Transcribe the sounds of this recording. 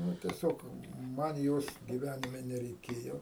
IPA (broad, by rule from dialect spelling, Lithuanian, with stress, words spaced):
ˈnʊ tʲiɛˈsʲoːk ˈmɐn ˈjoːs ɡʲiːˈʋʲænʲɪmʲɛ nʲɛrʲɛɪˈkʲeːjoː